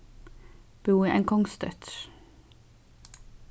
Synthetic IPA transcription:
b̥uːiʔɛ̰ŋkʰɔŋst̪œ̰t̪

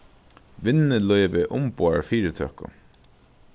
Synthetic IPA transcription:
ʋɪnɪlɔʏʋɪʔʊmpoaɹfiːɾɪt̪ʰœ̰ːkʊ̰

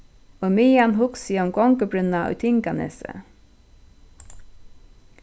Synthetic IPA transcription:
ojmiːanɦʊksiɔmɡɔŋkəbɾʏnːaʊ̰jt̪ʰɪŋkanɛ̰sə̰

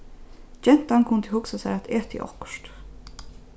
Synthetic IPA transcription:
d͡ʒɛn̥t̪ankʰʊnt̪əhʊksasɛɾat̪ɛːt̪ʰɪ̰ʔɔ̰hkʃt̪

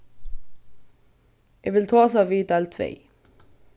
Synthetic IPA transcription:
jɛʋɪlt̪ʰɑːsɑːʋiːd̪ɑlt̪ʰʋḛɪ

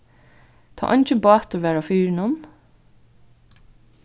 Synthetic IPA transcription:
t̪ʰɑ̰ːʔɑnt͡ʃəbɑːt̪ɔʋæːɾafyːɾnʊm

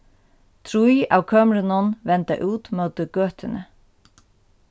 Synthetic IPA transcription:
t̪ʰɾuja̰wkʰœːmɾɪnɔnvɛnt̪a̰ʔuːt̪mœwt̪ɪɡøːht̪ɪnə

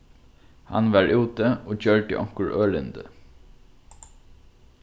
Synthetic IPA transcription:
hɑ̰nʋɑɹʔuːt̪əoːçœɹɖə̰ʔɔ̰ŋ̥kəɹʔøːlɪnd̪ə̰

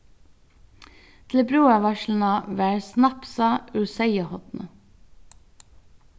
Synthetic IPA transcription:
t̪ʰl̩bɾuːæʋɑʃln̩ɑːʋæːɹsnɑpsɑʉsæɪəhɔt̪nʔə̰

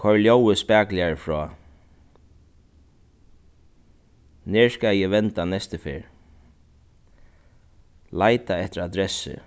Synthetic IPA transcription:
kʰɔɹljowɪspæːklɪaɹfɹɔː | nɛɹskajɛʋɛnt̪anɛst̪ɪfɪ̰ːɹ | laːjt̪aɛht̪ɪɾad̪ɾɛsːɪ̰

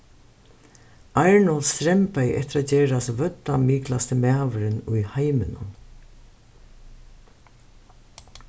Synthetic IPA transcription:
aɹɳɔlst̪ɾɛmpajʔɛ̰t̪ɪɾat̪̚d͡ʒeːɾasvœt̪ːamiːklast̪ɪmæːʋʏɾɪnʊjhajmɪnʊ̰n

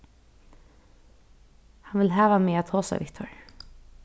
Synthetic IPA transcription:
hɑnʋɪlɦæːʋameːat̪ʰoːsa̰ʋɪkt̪ʰɔɹ

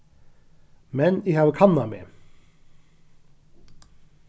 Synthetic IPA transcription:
mɛnihɑːʋəkʰɑnːɑmḛː

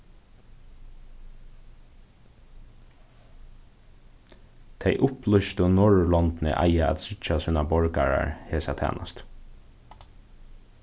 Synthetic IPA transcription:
t̪ʰɛɪʔʊplʏʃt̪ʊnɔɹlɔnt̪nɪ̰ʔa̰jaæ̰t̪sɪt͡ʃasuːnabɔɹkaɹa̰ɹheːsat̪ʰæ̰ːna̰st̪

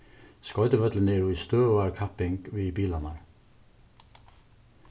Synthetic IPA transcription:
skɔʏd̪əʋœd̪ləneːɹuːiːst̪øːæːɹkʰɑpɪŋɡ̥ʋiːbiːlɑnɑɹ

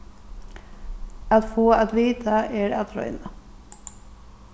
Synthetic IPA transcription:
at̪foːaðʋiːt̪ʰaɛɾa̰t̪ɾɔ̰ʏna

